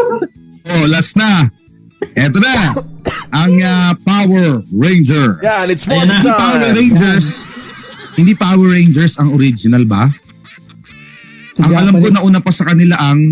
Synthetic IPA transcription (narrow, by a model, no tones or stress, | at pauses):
ʔolasnɐ | ʔɛt̪̬onɐ | ʔɐŋɐpawɛɹːejnd͡ʒɛɹ | hɪnd̪ipawɛɾejnd͡ʒɛɹs | hɪ̃nd̪ipawɛɹejnd͡ʒɛɹsɐŋoɾid͡ʒɪnɐlbɐ̰ | ɐŋɐlamkonɐʔuːnɐpɐsɐkɐnɪlaʔɐŋ